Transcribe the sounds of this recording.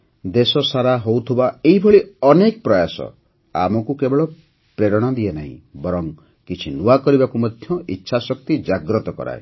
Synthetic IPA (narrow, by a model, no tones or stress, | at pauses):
d̪esɔsaɾaɦowt̪ʰubaeɦibʱɔɭiɔnekpɾɔjasɔ̰ | a̰mɔkukebeɭɔ | pɾeɾɔɽ̃ɔd̪ienaɦḭ̃bɔɾɔŋ | kit͡ʃʰinuakɔɾibakumɔd̪ʱjɔḭtːʃʰasɔkt̪id͡ʒaɡɾɔt̪ɔkɔ̰ɾa̰e